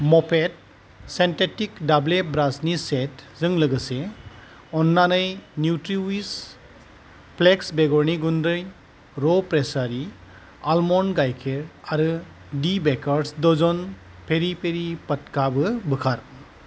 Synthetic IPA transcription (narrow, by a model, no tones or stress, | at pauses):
mɔpʰet̚ | sentetikdablebɾasnisetzɯŋlɯɡɯse | ɔnːanɯjnjutɾiwis | pleksbeɡɔɾniɡundɾɯj | ɾɔpɾesaɾi | almɔnɡajkʰeɾaɾɯ | dibekaɾsdɔzɔnpʰeɾipʰeɾipɐt̚kabɯbɯkʰaɾ